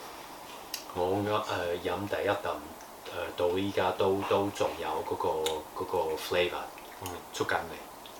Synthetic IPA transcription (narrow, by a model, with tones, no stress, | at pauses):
ŋɔː˨˧ŋ˨˥ʔɛː˨˩jɐ˨˥mt̪ɐ˨˩jːɐ˥t̚t̪ɐ˨˩m | ɛː˨˩t̪o˧wjiː˨˩kaː˥t̪o˥wt̪o˥wt͡sʊ˨˩ŋjɐ˨˧wkɔː˨˥kɔː˧kɔː˨˥kɔː˧fle˥vɐ̰˨˩˨ | t͡ʃʰɵ˥t̚kɐ˨˧nle˨˩